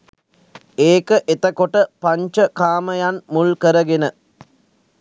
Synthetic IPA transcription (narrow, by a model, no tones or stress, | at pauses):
eːkəʔet̪əkoʈəpaɲt͡ʃəkaːməjanmulkəɾəɡenə